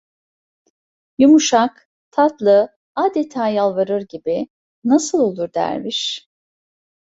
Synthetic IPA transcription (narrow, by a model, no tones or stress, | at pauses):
jumuʃak | t̪ʰat̪lˠɯ | aːd̪et̪ʰaːjalˠvaɾɯɾɟibi | nasɯlˠo̞lˠuɾd̪æ̰ɾmiʃ